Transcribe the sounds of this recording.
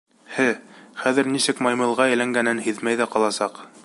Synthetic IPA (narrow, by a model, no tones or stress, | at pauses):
hɘχæðɘɾnisɘkmɑjmɤ̆lˠʁɑɘ̆jlæŋɡænɘnhɘðmæjðæqɑlˠɑsɑq